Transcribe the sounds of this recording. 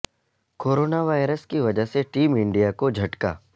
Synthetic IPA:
koːɾoːnaʋaːjɾəskiʋɐd͡ʒəɦseʈiːmɪ̃ɳɖijakod͡ʒʱɐʈka̰ː

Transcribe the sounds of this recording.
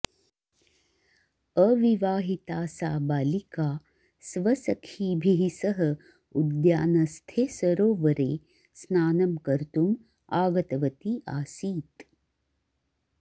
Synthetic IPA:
əʋiʋaːɦit̪aːsaːbaːlikaː | sʋɐsɐkʰiːbʱiɦisɐɦɐ̆ | ud̪jaːnɐst̪ʰeːsɐɾoːʋɐɾeː | snaːnɐmkɐɾt̪um | aːɡɐt̪ɐʋɐt̪iʔaːsiːt̪

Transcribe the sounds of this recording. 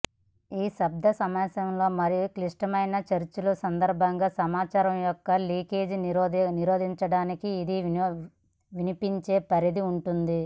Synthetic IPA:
iːsɐb̚d̪ʱɐsɐmɐsɐmlo̞ːmɐɾijukliʂʈɐmɐjnɐt͡ʃɐɾt͡ʃulɐsɐnd̪ɐɾbʱɐŋɡaːsɐmaːt͡ʃaːɾɐmjɔkːɐliːke̞ːd͡ʒniɾo̞ːd̪ʱiɲt͡ʃɐɽaːnikiːd̪i | ʋinipiɲt͡ʃe̞ːpɐɾid̪iuɳʈund̪i

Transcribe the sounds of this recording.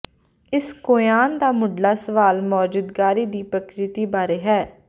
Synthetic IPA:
ɪskoːjaːnd̪aːmʊɖlaːsəʋaːlmɔːd͡ʒud̪ɡaːɾiːd̪iːpɾəkɾɪt̪iːbaːɾeːɦɛː

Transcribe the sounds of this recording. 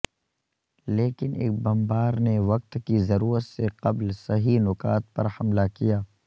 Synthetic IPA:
leːkɪnʔḛːk̚bɐmbaːɾneʋɐq̚t̪kizɐɾuːɾət̪seqɐblsɐɦinʊkaːt̪̚pɐ̰ɾhɐmlakijaː

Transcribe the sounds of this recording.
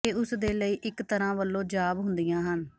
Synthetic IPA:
eːʊsd̪eːləiːʔɪkt̪əɾãːʋəlːõːd͡ʒaːbɦʊnd̪ɪjãːɦən

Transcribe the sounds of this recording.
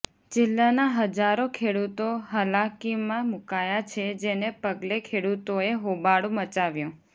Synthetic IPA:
t͡ʃɪlːanaɦəd͡ʒaɾokʰeɽut̪oɦəlakimãmukajat͡ʃʰed͡ʒenepəɡlekʰeɽut̪oeɦobaɽũmət͡ʃaʋjũ

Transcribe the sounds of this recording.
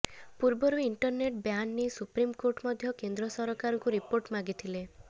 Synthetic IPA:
puɾbɔɾuiɳʈɔɾneʈbjanːisupɾimkoɾʈmɔd̪ʱjɔkend̪ɾɔsɔɾɔkaɾɔŋkuɾipoɾʈmaɡit̪ʰile

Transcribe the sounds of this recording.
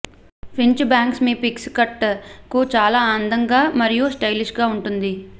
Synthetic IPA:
pʰiɲt͡ʃbaːŋksmipikskɐʈkut͡ʃaːlaːaːnd̪ʱɐŋɡaːmɐɾijusʈɐjliʃɡaːuɳʈund̪i

